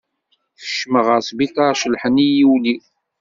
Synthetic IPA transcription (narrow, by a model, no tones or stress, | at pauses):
θə̥ʃməʁəɾsˤbitaɾʃəlħənijiwli